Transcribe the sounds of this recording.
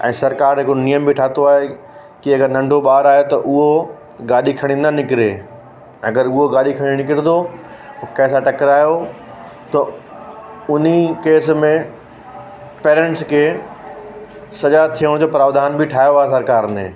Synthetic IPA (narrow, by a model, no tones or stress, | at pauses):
ʔɛ̰̃ːsɐɾkaːɾɦɪkonijəmbʱiʈʰaːt̪oaːɦe | kiɐɡəɾnɐ̃ɳɖʱoɓaːɾaːɦjot̪ɐʔʊɦo | ɡaːɗikʰɐɽ̃ĩnanɪkɪɾeː | ɐɡəɾʊɦoɡaːɗikʰɐɽ̃ĩnɪkɪɾet̪ʰo | kɛːsaʈɐkɪɾaːijo | t̪ɐ | ʊn̤ikeːsmẽ | peːɾɛ̃ɳʈskʰeː | sɐʄat̪ʰijəɽ̃d͡ʑoːpɾaːʋd̪ʱaːnbiʈʰaːɦjoaːɦesɐɾkaːɾnḛ̃ː